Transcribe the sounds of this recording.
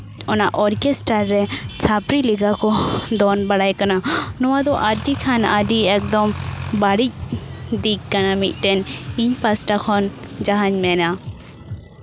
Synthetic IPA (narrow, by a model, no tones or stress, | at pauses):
ɔnaʔɔɾkɛsʈaɾːɛt͡ʃʰapɾiliɡakɔd̪ɔnbaɽajkananɔwad̪ɔʔaɖikʰana̰ɖiɛk̚d̪ɔmbaɽic̚d̪ikkanamic̪̚ˀt̪ɛniɲpasʈakʰɔnd͡ʒaɦaɲmɛna